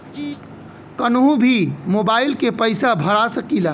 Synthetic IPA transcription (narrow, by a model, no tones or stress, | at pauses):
kənɦũbʱimoːbaːɪlkepəɪsabʱəɽasəkila